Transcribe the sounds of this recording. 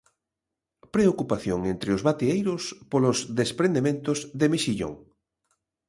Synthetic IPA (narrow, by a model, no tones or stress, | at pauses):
pɾeokupaθjoŋent̪ɾeozβat̪iejɾospolozðespɾẽnd̪emẽnt̪ozðemeʃiʎo̰ŋ